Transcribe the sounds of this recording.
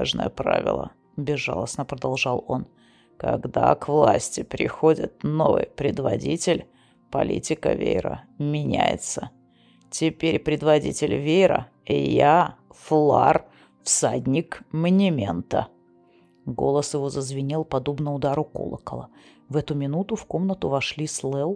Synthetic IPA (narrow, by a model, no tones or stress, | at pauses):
aʐnə̰jəpɾa̰vʲɪ̰lˠə̰ | bʲɪzʐalˠəsnəpɾəd̪ɐlˠʐɑlˠo̞n | kɐɡd̪akvlˠasʲtʲɪpɾʲɪxo̞dʲɪt̪̚no̞vɨ̰jpɾʲɪd̪vɐdʲitʲɪlʲ | pɐlʲḭtʲɪkəvʲḛjɾə̰mʲɪnʲæjɪ̰t̪sə | tʲɪpʲeɾʲpɾʲɪd̪vɐdʲitʲɪlʲvʲejɾə̰ | ɪjaflˠa̰r | fsadʲnʲɪkmənʲɪmʲḛnt̪ə̰ | ɡo̞̰lˠəsjɪvo̞zəzvʲɪnʲilˠpɐd̪o̞bnəʊd̪aɾʊko̰lˠə̰kəlˠə | vɛt̪ʊmʲɪnut̪ʊfko̞mnət̪ʊvɐʂlʲislˠɛlˠ